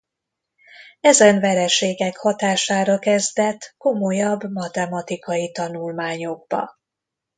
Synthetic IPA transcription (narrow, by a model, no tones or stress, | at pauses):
ɛzɛɱvɛɾɛʃeːɡɛkhɒt̪aːʃaːɾɒkɛzd̪ɛt̪ko̞mojɒbːmɒt̪ɛmɒt̪ikɒjit̪ɒnulmaːɲo̞ɡ̚bɒ̰